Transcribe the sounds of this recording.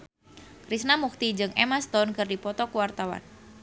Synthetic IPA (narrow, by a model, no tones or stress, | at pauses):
kɾisnamuk̚t̪id͡ʒɨŋɛmast̪ɔnkɨrdipɔt̪ɔkuwart̪awa̰n